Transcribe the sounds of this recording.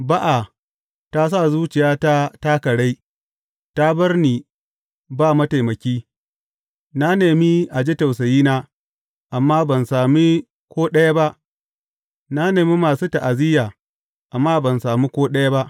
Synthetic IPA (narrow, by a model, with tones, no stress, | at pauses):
ba˦ʔa˨ | ta˦s̬a˦˨zuː˦t͡ʃɪ˨jaː˦ta˦taː˦kɐ˨ɽa˦j | ta˦bɐ˦rniː˨ | baː˦˨mɐ˦ta˨jmɐ˨kʲiː˦ | na˦neː˨mi˦ʔa˨d͡ʒe˦ta˨ws̬ɐ˨jiː˦naː˦ | ʔa˨mːaː˦bɐ˨nsaː˨mi˦ | kʷoː˦ɗɐ˦ja˦ba˦ʔ | na˦neː˨mi˦maː˨suː˦ta˨ʔa˨zɪ˦jaː˨ | ʔa˨mːaː˦bɐ˨nsaː˨miː˦kʷoː˦ɗɐ˦ja˦ba˦ʔ